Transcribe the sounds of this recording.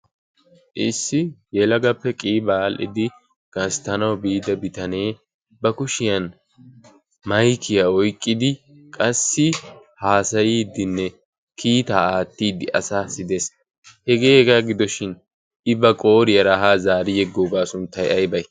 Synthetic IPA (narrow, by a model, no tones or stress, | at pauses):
ʔɪsːɪjɛlɐɡɐpːɛkʼiːbalʔɪ̰d̪ɪ | ɡ̥ɐst̪ɐnɐwbiːd̪ɐbɪt̪ɐne̞ː | bɐkʊʃɪjɐn | mɐjkʰːɪjaɔjkʼːɪd̪ɪ | kʼɐsːɪ | haːsɐjiːd̪ɪnːɛ | kʰiːt̪aːaːt̪ːiːd̪ɪʔɐ̰saːsɪd̪e̞ːs | hɛɡe̞ːhɛɡaːɡɪd̪ɔʃɪn | ɪbɐkʼo̞ːɾɪjɐɾaɦaːzaːɾɪjɛɡːoːbaːsʊnt̪ːɐjɐjbɐj